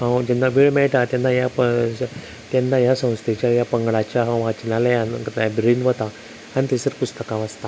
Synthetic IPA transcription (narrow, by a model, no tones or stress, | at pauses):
ɦãwd͡ʑɛnːabʱiɭmɛɭʈat̪janːajapə | t̪janːajasə̃w̃st̪ʰit͡ɕjajapəŋɡɭat͡ɕjaɦãwʋat͡ɕnalajankət̪abɾinʋət̪a | aɽ̃nit̪esəɾpust̪əkãʋast̪a